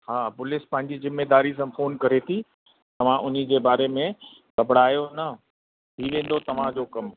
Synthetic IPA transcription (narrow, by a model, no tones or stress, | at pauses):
ɦaːpʊlɪspɐ̃ɦɪ̃ɲd͡ʑizɪmːeːd̪aːɾis̬ãfoːnkɐɾet̪ʰi | t̪ɐʋ̤ãʔʊn̤ĭd͡ʑeːbaːɾemẽ | kɐbɽ̤aːjonɐ | t̪ʰiʋẽːn̆d̪ot̪ɐʋ̤ãd͡ʑoːkɐm